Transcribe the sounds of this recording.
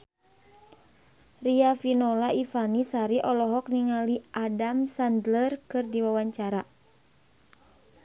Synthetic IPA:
riafinɔlaʔifanisaɾiʔɔlɔɦɔk̚niŋaliʔadamsandlərkɨrdiwawaɲt͡ʃaɾa

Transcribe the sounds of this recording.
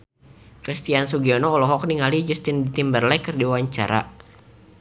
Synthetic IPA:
kɾist̪iansuɡiɔnɔːlɔɦɔk̚niŋalid͡ʒust̪ɪndit̪imbərlɛkɨrdiwaɲt͡ʃa̰ɾʔa̰

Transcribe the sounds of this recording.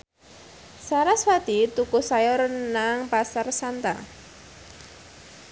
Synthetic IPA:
saɾaswad̪̥it̪ukusajɔɾnaŋpasarsant̪a̰

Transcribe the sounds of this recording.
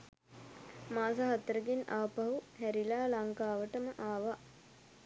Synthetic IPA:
maːs̬aɦat̪əɾəɡenʔa̰ʋəpaɦuhæɾilaːlaŋkaːʋəʈəməʔaːʋa

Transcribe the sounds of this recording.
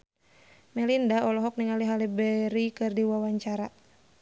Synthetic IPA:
mɛlindaɔlɔɦɔk̚niŋaliɦalibɛɾikɨrdiwawaɲt͡ʃaɾa

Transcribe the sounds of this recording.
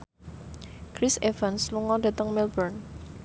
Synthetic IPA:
kɾɪsevansluŋɔd̥a̤t̪əŋmilbərn

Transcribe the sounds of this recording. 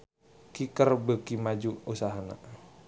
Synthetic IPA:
kikərbəkimad͡ʒuusaɦana̰

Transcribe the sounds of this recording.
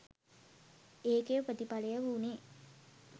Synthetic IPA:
eːkejəprət̪ipalejəʋuːneː

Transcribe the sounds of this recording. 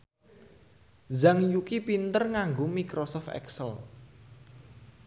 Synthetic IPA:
zaŋjukipint̪ərŋaŋɡomikɾosɔft̪ɛ̰ksəl

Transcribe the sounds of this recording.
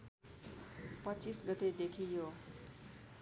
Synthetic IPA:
pʌt͡sisɡʌt̪ed̪ekʰijo

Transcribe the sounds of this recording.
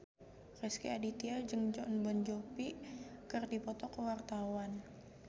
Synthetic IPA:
rɛskiadit̪iald͡ʒɨŋd͡ʒɔnbɔnd͡ʒopikərdipɔt̪ɔkəwart̪awan

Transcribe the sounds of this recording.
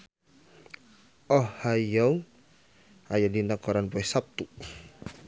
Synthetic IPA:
ɔhhajɔw | ajadinakɔɾanpɔɛsap̚t̪u

